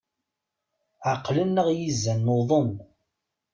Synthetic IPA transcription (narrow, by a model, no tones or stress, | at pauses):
ʕaqːlənːəʁjizːænːoðˤəm